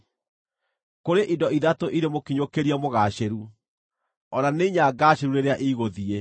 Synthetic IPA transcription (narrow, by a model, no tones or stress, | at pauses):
koɾeʔidɔiðatoʔiɾemokiɲokeɾiamoɣaɕeɾu | ɔnaneiɲaɡaɕeɾuneɾeaʔiɣoðie